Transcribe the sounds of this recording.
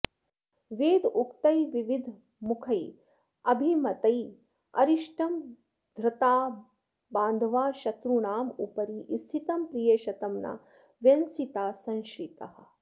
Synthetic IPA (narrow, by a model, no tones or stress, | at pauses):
ʋeːd̪ukt̪ɐjʋiʋid̪ʱ | mukʰɐj | ɐbʱimɐt̪ɐj | ɐ̰ɾiʃʈɐm | d̪ʱɾɨt̪aː | baːnd̪ʱʋaːʃɐt̪ɾunaːmupɐɾiʔist̪ʰit̪ɐmpɾijeːʃɐt̪ɐmnɐ̰ | ʋjɐnsit̪aːsɐ̃ŋʃɾit̪ɐ̰ɦɐ̰̆